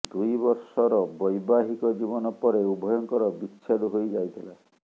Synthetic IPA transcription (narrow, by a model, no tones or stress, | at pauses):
d̪ujbɔɾsɔɾɔbɔjbaɦikɔd͡ʒibɔnɔpɔɾeubʱɔjɔŋkɔɾɔbit͡ʃʃʰed̪uɦojd͡ʒajt̪ʰila